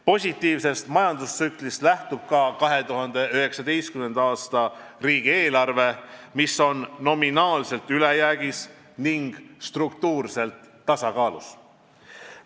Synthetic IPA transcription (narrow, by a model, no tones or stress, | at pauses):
po̞sʲit̪ˑːiːvse̞st̪mɑjɑnd̪ussyklist̪læht̪ub̥̚kɑkɑɦe̞t̪uɦɑnd̪e̞yɦe̞ksɑd̪e̞jst̪kymend̪̥ɑɑːst̪ɑriːɡ̥ie̞ːlɑrve̞misːo̞nːo̞minɑːlse̞lt̪ylejæːɡis | niŋɡ̥st̪rukt̪uːrse̞lt̪ːɑsɑkɑːlṵs